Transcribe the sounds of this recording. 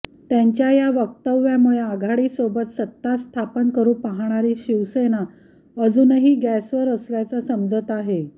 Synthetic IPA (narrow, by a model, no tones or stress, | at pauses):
t̪jaɲt͡ɕjajaʋək̚t̪əʋːjamuɭeaɡʱaɽiːsobət̪sət̪ːast̪ʰapənkəɾuːpaɦɳ̃aɾiːɕiʋsena | əd͡zuːnəɦiːɡæsʋəɾəsljat͡sasəmd͡zət̪aɦe